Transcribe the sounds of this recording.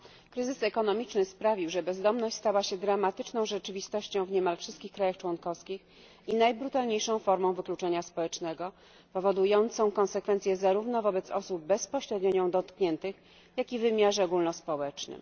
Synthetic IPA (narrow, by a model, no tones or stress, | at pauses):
kɾɘzɘsɛkɔnɔmʲit͡ʂnɘspɾavʲiwʐɛbɛzd̪ɔmnɔɕt͡ɕʲst̪awaɕɛd̪ɾamat̪ɘt͡ʂnɔ̃w̃ʐɛt͡ʂɘvʲist̪ɔɕt͡ɕɔ̃w̃vɲɛmalfʂɘst̪̚kʲixkːɾajaxt͡ʂwɔnkɔfskʲix | inajbɾut̪alɲejʂɔ̃w̃fɔɾmɔ̃w̃vɘklut͡ʂɛɲaspɔwɛt͡ʂnɛɡɔ | pɔvɔd̪ujɔnt̪sɔ̃w̃kɔnsɛkfɛnt̪sʲjɛzaɾuvnɔvɔbɛt̪sɔ̰sub̚bɛspɔɕɾɛd̪ɲɔɲɔ̃w̃d̪ɔt̪kɲɛnt̪ɘx | jakʲivɘmʲjaʐɛɔɡulnɔspɔwɛt͡ʂnɘ̰m